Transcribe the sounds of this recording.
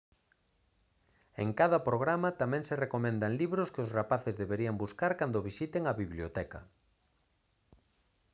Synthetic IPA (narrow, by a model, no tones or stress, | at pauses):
ḛŋkaðɐpɾoɣɾamat̪amɛ̃ŋserekomɛ̃nd̪aŋliβɾʊskɪʊsrapaθɪzðeβeɾiambuskaɾkand̪ʊβisit̪eŋɐβiβljot̪ɛka̰